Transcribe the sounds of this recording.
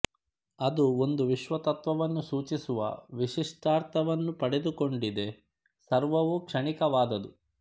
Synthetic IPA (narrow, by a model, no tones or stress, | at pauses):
ɐd̪uo̞nd̪uʋiʃʋɐt̪ɐt̪ʋɐʋɐnːusuːt͡ʃisuʋɐ̰ʋiʂiʂʈaːɾt̪ʰɐʋɐnːupɐɽed̪uko̞ɳɖid̪e̞ | sɐɾʋɐʋukʂɐɳikɐʋaːd̪ɐd̪u